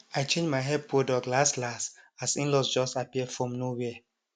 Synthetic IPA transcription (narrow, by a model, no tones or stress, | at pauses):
ajt͡ʃẽnd͡ʒmajɦɛd̚pʰɹodɔklaslasasĩnlɔsd͡ʒɔstapiɛfɹɔ̃mnowɛɛ